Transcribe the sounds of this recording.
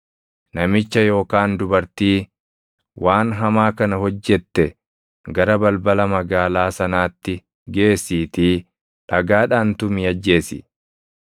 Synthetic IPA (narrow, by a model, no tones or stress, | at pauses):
nɐmɪt͡ʃːɐjo̞ːkaːnd̪ʊbɐɾt̪iː | wʔaːnɦɐmaːkɐnɐɦɔd͡ʒːɛt̪ːɛ | ɡɐɾɐbɐlbɐlɐmɐɡaːlaːsɐnaːt̪ːɪ | ɡe̞ːsːiːt̪iː | ᶑɐɡaːᶑaːnt̪ʊmɪɐd͡ʒːe̞ːsɪ̰